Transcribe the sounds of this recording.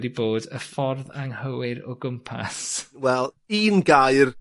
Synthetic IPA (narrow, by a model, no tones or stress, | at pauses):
diboːdəfɔrðaŋhəwɪɾɔɡʊmpʰa̰swɛlˠ | iːnɡajr